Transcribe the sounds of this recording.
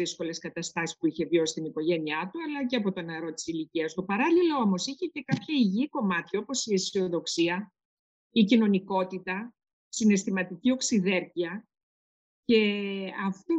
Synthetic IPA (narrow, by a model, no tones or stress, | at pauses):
isko̞le̞skɐt̪ɐst̪ɐsi̥spuiçe̞vjo̞si̥st̪iniko̞ʝe̞niɐt̪uɐlɐceɐpo̞t̪o̞neɾo̞t̪i̥siliciɐst̪o̞pɐɾɐlilo̞omo̞siçece̞kɐpçɐiʝiko̞mɐt̪ço̞po̞siesio̞ðo̞ksiɐ | icino̞niko̞t̪it̪ɐ | sine̞st̪imɐt̪icio̞ksiðe̞ɾciɐ | ce̞ɐft̪u